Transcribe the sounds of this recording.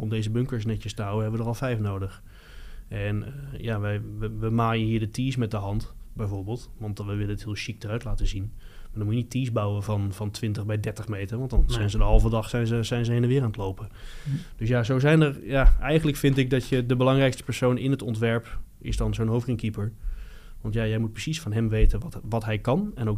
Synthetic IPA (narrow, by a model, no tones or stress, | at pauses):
ɔmdejzəbɵŋkəɹsnɛtəstəɦawəɦɛbəʋədərɑlˠfɛjfnowdəχ | ʔɛnəjaʋɛjʋəʋəmaːjəɦiːɹdətiːsmɛt̚dəɦɑntbɛjvoːɹbɪːlˠtʋɑntʋəʋɪlənətɦɪːlˠʃik̚d̥ərœɥtlaːtəzin | maɹdɔnmujənitʰiːzbɑwəvɑnvɑntʋɪntəχbɛjdɛɹtəχmejtəɹʋɑntdɑnzɛjnzədəɦɑlˠvədɑχsɛjnzəzɛjnzəɦenəɹʋɪːɾaːnətlowpəd̥øs̬jazowzɛjnərjaɛjχənləkfɪntɪɡ̚dɑtjədəbəlɑŋrɛjkstə̥pɛɹsownɪnɦətɔntʋɛɹp | ɪ̰sdɑnzownɦowfrɪŋkipəɹ | ʋɑntjajɛjmut̚prəsisfɑnɦɛmʋejtənʋʋɑtɦɛjkɑnɛnowk